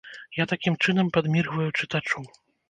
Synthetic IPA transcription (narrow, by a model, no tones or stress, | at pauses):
jat̪akʲimt͡ʂɨnɐmpad̪mʲirɣvɐjut͡ʂɨt̪at͡ʂu